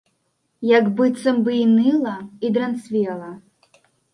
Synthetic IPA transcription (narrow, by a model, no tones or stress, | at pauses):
jakbɨt̪sɐmbɨjnɨlˠɐid̪ɾɐnt̪svʲɛlˠɐ